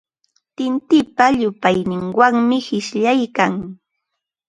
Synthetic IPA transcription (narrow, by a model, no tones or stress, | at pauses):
t̪ɪnt̪ɪpaʎʊpajnɪŋwaŋmɪhɪʃʎajkaŋ